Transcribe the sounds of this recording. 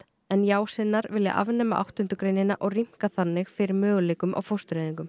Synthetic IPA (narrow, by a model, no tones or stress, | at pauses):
ɛnjaːwsɪnːaɾvɪlja̰ʔa̰vnɛːma̰ʔa̰wht̪ʏnt̪ʏkɾejnːɪnaʔɔɣrim̥kaθanːɪɣfɪɾɪɾmœːɣʏleːkʏmʔa̰ɣwfowst̪ɾeːðiŋkʏm